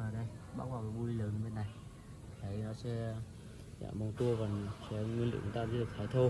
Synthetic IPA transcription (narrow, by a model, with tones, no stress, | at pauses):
əː˨˩ɗə˧jɓa̰ː˦˥aː˨˩ka˨˦ɓu˧li˧ləː˨˦n˧˦və˨˩nːa˨˩j | t̪ʰə˨˦jnɔ˨˦sɛ̰˧˥ | za̰ː˧˨mɓə˨˩ŋ͡mt̪u˧əvaː˨˩sɛ̰˧˦ŋwi˧nlɨ̰˧˨t͡ɕʊ˨˦ŋ͡mt̪aː˧zə˧˦ɨ˨˩k̚t̪ʰaː˨˧˦jt̪ʰo˧